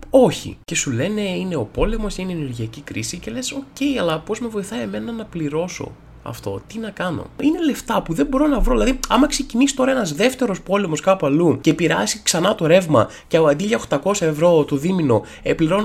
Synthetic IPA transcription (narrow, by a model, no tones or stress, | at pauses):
o̞çḭce̞sule̞ne̞ine̞o̞po̞le̞mo̞sineeneɾʝiɐcikɾḭsice̞le̞so̞ce̞iɐlɐpo̞zme̞vo̞iθɐieme̞nɐnɐpliɾo̞so̞̰ | ɐ̰ft̪o̞̰t̪inɐkɐno̞̰ine̞le̞ft̪ɐpuðe̞mbo̞ɾo̞nɐvɾo̞ðilɐðiɐmɐkse̞cinisi̥t̪o̞ɾɐenɐzðe̞ft̪e̞ɾo̞spo̞le̞mo̞skɐpuɐluce̞piɾɐsiksɐnɐt̪o̞ɾe̞vmɐ | cɐɐd̪iʎɐoxt̪ɐko̞sɐevɾo̞t̪o̞ðimino̞ | epliɾo̞n